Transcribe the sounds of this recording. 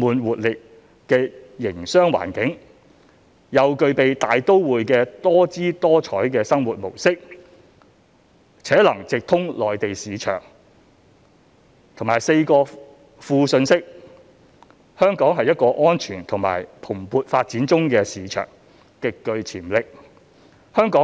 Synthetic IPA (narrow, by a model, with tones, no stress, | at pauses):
muː˨˧nwuː˨t̚lɪ˨k̚ | kːɛː˧jɪ˨˩ŋsœː˥ŋwa̰ː˨˩nkɪ˨˥ŋ | jɐ˨˧wkɵ˧ɥpe˨jt̪aː˨jt̪o˥wwuː˨jkɛː˧t̪ɔː˥t͡siː˥t̪ɔː˥t͡ʃʰɔː˨˥jkɛː˧sɐ˥ŋwuː˨t̚mo̰˨˩wsɪ˥k̚ | t͡sʰɛː˨˥lɐ˨˩ŋt͡sɪ˨k̚t̪ʰʊ˥ŋlɔː˨jt̪e˨jsiː˨˧t͡ʃʰœ̰ː˨˩ŋ | t̪ʰʊ˨˩ŋmaː˨˩jse˧jkɔː˧ | fuː˧sɵ˧nsɪ˥k̚ | hœː˥ŋkɔː˨˥ŋɦɐ˨jːɐ˥t̚kɔː˧ʔɔː˥nt͡ʃʰyː˨˩nt̪ʰʊ˨˩ŋma̰ː˨˩jpʰʊ˨˩mpuː˨t̚faː˧t̚t͡siː˨˥nt͡sʊ˥ŋkɛː˧siː˨˧t͡ʃʰœ̰ː˨˩ŋ | kɪ˨kːɵ˧ɥt͡sʰiː˨˩mlɪ˨k̚ | hœː˥ŋkɔː˨˥